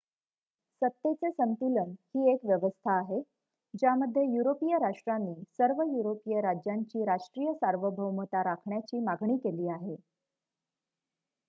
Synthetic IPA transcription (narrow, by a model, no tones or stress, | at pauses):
sət̪ːet͡sesənt̪ulənhiːekʋjəʋəst̪ʰaːɦe | d͡ʑjaməd̪ʱːjejuɾopijəɾaʂʈɾanːiːsəɾʋəjuɾopijəɾad͡ʑjaɲt͡ɕiːɾaʂʈɾijəsaɾʋəbʱəwmət̪aɾakʰɳjat͡ɕiːmaɡʱɳiːkeliːaɦe